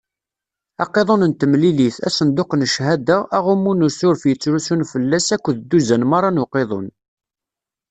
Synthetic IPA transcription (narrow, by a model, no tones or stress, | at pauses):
ɑqːeðˤonənt̪əmliliθæ̰sənd̪oqnʃhæd̪æʔæʁʊmːunusʊɾfjət͡sːɾusunfəlːæsækʷːðd̪ːuzænmɑɾˤːɑnʊqeðˤo̰n